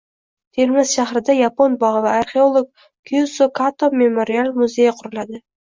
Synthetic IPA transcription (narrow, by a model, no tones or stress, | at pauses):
t̪ʰeɾmɪzʃahɾɪd̪ajaponbɒʁɨvaaɾχeolˠok̚ | kʰjusokʰat̪ome̞moɾialˠmʊzejaqʰʊɾʊlˠad̪ɪ